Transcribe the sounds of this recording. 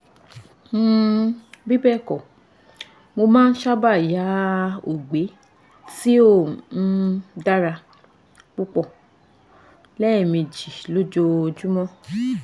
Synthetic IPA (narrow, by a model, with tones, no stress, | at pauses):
bi˦bɛ˦˨kɔ˨ | mo˧mãː˦n̩˦ʃa˦ba˦˨ja˨˦o˨ɡ͡be˨˦ | ti˦o˦˨n̩˦da˦ɾa˧ | k͡pu˦k͡pɔ˦˨ | lɛ˦˨mĩ˧d͡ʒi˨lo˦d͡ʒo˦˧d͡ʒu˦mɔ̃˦